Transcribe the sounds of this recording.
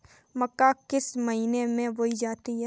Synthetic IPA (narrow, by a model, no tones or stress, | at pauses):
mɐkːakɪsməɦiːnemẽʋoid͡ʒaːt̪iɦɛ